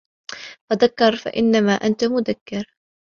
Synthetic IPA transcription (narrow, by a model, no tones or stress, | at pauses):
faðakːɑɾˤfa̰ʔɪnːamaːʔant̪amʊðakːɪɾ